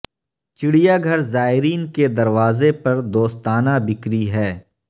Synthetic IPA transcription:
t͡ʃɪɽijaɡʱɐɾzaːɪɾiːnked̪ɐɾʋaːzepɐɾd̪oːst̪aːnabɪkɾiɦɛː

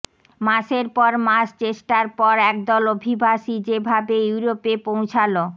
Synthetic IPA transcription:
maʃeɾpɔɾmast͡ɕeʃʈaɾpɔɾɛk̚d̪ɔlobʱibʱaʃid͡ʑebʱabejuuɾopepõw̃t͡ɕʰalo

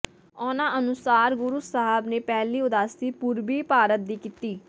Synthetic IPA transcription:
ɔːnãːʔənʊsaːɾɡʊɾusəɦəbneːpɛːliːʊd̪aːst̪iːpʊɾbiːpaːɾət̪̚d̪iːkɪt̪iː

